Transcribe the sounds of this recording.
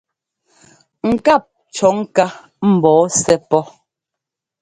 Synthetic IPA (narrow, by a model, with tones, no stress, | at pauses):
ŋ̩˨ka˦˨p̚ | t͡ʃɔ˨˦ŋ̩˦ka˦ | m̩˨bɔː˨˦sɛ˦pɔ˦